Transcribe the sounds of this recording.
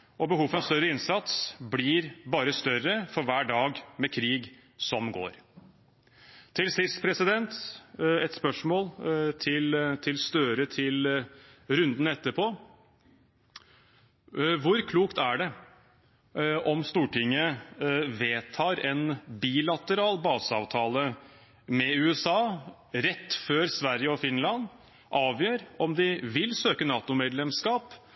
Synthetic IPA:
ʔɔbəɦuːfəɑst̪œɾəɪnsɑt̪sblɪɾbɑːɾəst̪œɾəfɔɾʋæːɖɑːɡmɛkʰɾiːɡ | sɔmɡo̰ːɾ | t̪ʰɪlsɪst̪pʰɾɛsɪd̪ɛnt̪ɛt̪spœʂmoːlt̪ʰɪlt̪ʰɪlst̪øːɾət̪ʰɪl | ɾʉnd̪n̩ɛt̪ːəpʰoː | ʋʊɾkʰluːkt̪æɖɛ | ʔɔmst̪uːʈɪŋːəʋeːt̪ʰɑːɾɛnbiːlɑt̪əɾɑːlbɑːsɑːʋt̪ʰɑːlə | mɛʉːɛsɑː | ɾɛt̪ːføːɾsʋæɾjəɔfɪnlɑn | ʔɑːʋjøːɾɔmd̪ɪʋɪlsøːkənɑːt̪ʊmeːd̪lɛmskɑːp

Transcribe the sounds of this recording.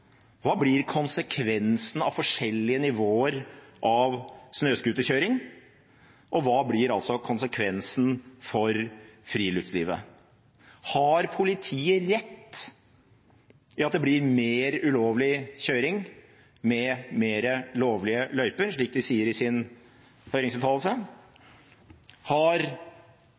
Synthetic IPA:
ʋɑːblɪɾkʰʊnsəkʰʋɛnsn̩ɑ̰ʋfɔʂɛlːɪənɪʋoːəɾʔɑʋsnøːskʉːt̪əçøːɾɪŋ | ʔɔʋɑːblɪɾɑlsɔkʰʊnsəkʰʋɛnsnfɔɾfɾiːlʏt̪sliːʋə̰ | hɑɾpʰʊlɪt̪ʰiːəɾɛt̪ː | ɪɑt̪d̪ɛblɪɾmeːɾʉloːʋlɪçøːɾɪŋ | mɛmeːɾəloːʋlɪəlœʏpəɾʂɭiːk̚d̪ɪsiːəɾɪsɪn | hœʏɾɪŋsbəfʰɑːll̩sə | hɑɾ

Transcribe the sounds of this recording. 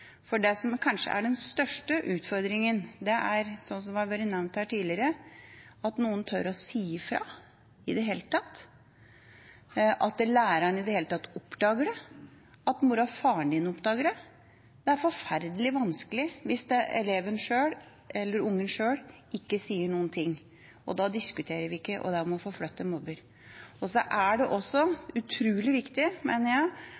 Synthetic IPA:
fɔɖɛsɔmkʰɑnʂə̰ʔæ̰ɖɛnst̪œʂʈəʔʉːt̪fɔɾd̪ɾɪŋənd̪ɛʔæɾsɔns̬ɔmʋɑʋœɾənɛʋnt̪hæːʈʰiːlɪəɾə | ɑt̪nuːənt̪ʰœɾɔsiːfɾɑ̰ | ɪd̪ɛɦeːlət̪ʰɑt̪ː | ʔɑt̪̚d̪ɛlæːɾɑnɪd̪ɛheːlət̪ʰɑt̪ːɔpːd̪ɑːɡəɖɛ | ɑt̪muɾɑfɑːɳɖɪnɔpd̪ɑːɡəɖɛ | d̪ɛæɾfɔɾfæɾd̪əlɪʋɑnskəlɪʋɪsd̪ɛɛ̰leːʋənʂøːɽ | ʔɛlːəɾʊŋːənʂøːɽ | ɪkːəsiːəɳuːənt̪ʰɪŋː | ɔ̰d̪ɑːd̪ɪskʉt̪ʰeːɾəɾʋɪɪkːəʔɔ̰d̪æɾʋɔmɔfoːflœt̪ːənmɔbəɾ | ɔsɔʔæɖɛʔɔsːɔʉt̪ʰɾʉːlɪʋɪkt̪ɪmeːnəɾjæɪ

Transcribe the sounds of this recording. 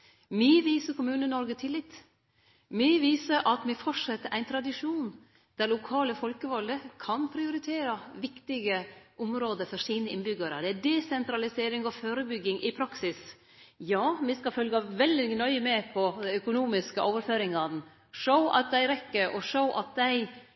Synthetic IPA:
miʋiːsəɾkʊmʉːnənɔɾɡət̪ʰɪlːɪt̪ː | mɪʋiːsəɾʔɑt̪mɛfɔʈʂɛt̪ːəɾʔæɪnt̪ʰɾɑd̪ɪʂuːn | d̪̥æɾlʊkʰɑːləfɔlkəʋɔld̪əkʰɑnpʰɾɪʊɾɪt̪ʰeːɾɑʋɪkt̪ɪɡəʔʊmɾoːd̪əfɔʂiːnəɪnbʏɡəɾə̰d̪ɛæd̪ɛsɛnt̪ɾɑlɪseːɾɪŋɔføːɾəbʏɡːɪŋʔɪpʰɾɑksɪs | jɑːmɪskɑfœlɡɑʋɛld̪ɪnœʏəmɛpʰɔd̪ɛœkʊnuːmɪskəʔoːʋəɾføːɾɪŋɑd̪n̩ | ʂəʊʔɑ̰t̪̚d̪æɪɾɛkːəɾʔɔʂəʊʔɑt̪̚d̪æɪ

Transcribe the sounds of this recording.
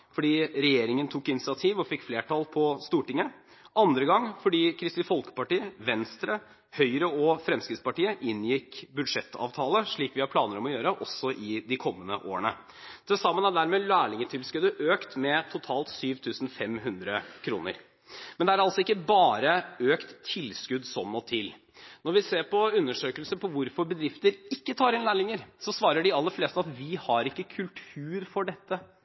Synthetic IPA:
fɔɖiːɾɛjeːɾɪŋənt̪ʰukːɪnɪt̪sɪɑt̪ʰiːʋɔfɪkːfleːʈʰɑːlpʰɔst̪uːʈɪŋə | ʔɑnd̪ɾəɡɑŋːfɔɖiːkʰɾɪst̪ɪfɔlkə̥pɑʈiːəʋɛnst̪ɾə | hœʏɾəɔfɾɛmskɾɪt̪spɑʈiːəʔɪnjɪkːbʉd̪ʂɛt̪ʰːɑ̰ːʋt̪ʰɑːləʂɭiːkʋɪhɑɾpʰlɑːnəɾɔmɔjøːɾəʔɔsɔʔɪd̪ɪkʰɔmːənəʔo̰ːəɳə̰ | d̪̥ɛsɑmːənæɖ̪æɾmɛːlæːɭɪŋət̪ʰɪlskʉd̪əʔøːkt̪mɛt̪ʰʊt̪ʰɑːlt̪syːʋt̪ʰʉːsn̩fɛmɦʉnd̪ɾəkʰɾṵːnə̰ɾ | mɛnd̪ɛæɾɑlsɔɪkːəbɑːɾəøːkt̪ʰːɪlːskʉd̪sɔmːɔt̪ʰɪl | nɔɾʋɪseːɾpɔʉnːəʂøːkəlsəpʰɔʋʊɾfɔɾbəd̪ɾɪft̪əɾɪkːət̪ʰɑːɾɪnlæːɭɪŋəɾsɔsʋɑːɾəɖɪɑlːəfleːst̪əɑt̪ʋɪhɑɾɪkːəkʰʉlt̪ʰʉːɾfɔɖɛt̪ːə

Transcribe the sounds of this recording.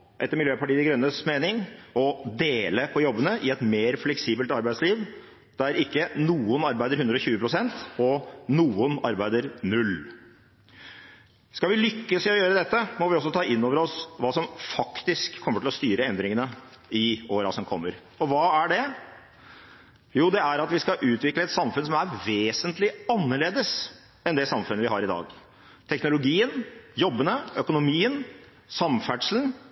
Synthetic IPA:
ʔɛt̪ːəɾmɪljøːpɑʈiːd̪ɪɡɾœnːəsmeːnɪŋɔd̪eːləpʰɔjɔbːənəʔɪɛt̪meːɾflɛksiːbəlt̪ɑɾbæɪd̪sliːʋ | d̪̥ɛæɾɪkːənuːənɑɾbæɪd̪əɾʉnd̪ɾəɔçʉːəpʰɾʊsɛnt̪ɔnuːʊnɑɾbæɪd̪əɾnʉl | skɑlʋɪlʏkːəsɪɔjøːɾəd̪ɛt̪ːəmɔʋɪɔs̬ɔt̪ʰɑːʔɪnːoːʋəɾɔsʋɑːsɔmfɑkt̪ɪskʰːɔmːəʈʰɪlɔst̪yːɾəɛnd̪ɾɪŋənə | ɪoːɾɑ̰sɔmkʰɔ̰mːəɾ | ɔʋɑːæɖɛ | juːd̪ɛæɾɑt̪ʋɪskɑʔʉːt̪ʋɪkləɛt̪sɑmfʉns̬ɔmæɾʋeːsənt̪lɪɑnːəɭeːd̪əs | ɛnd̪ɛsɑmfʉnəʋɪɦɑɾɪd̪ɑ̰ːɡ | t̪ʰɛknʊlʊɡiːənjɔbːənəœkʊnʊmiːən | sɑmfæʈʂln̩

